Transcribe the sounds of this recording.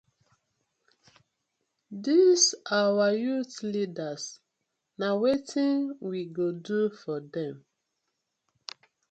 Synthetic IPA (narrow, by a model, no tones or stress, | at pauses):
disawajutlidas | nawetʰĩnwiɡodufɔdɛ̃m